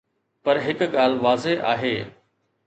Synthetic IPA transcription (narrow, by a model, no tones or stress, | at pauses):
pɐɾɦɪkɠaːlʋaːzeʔa̰ːɦeː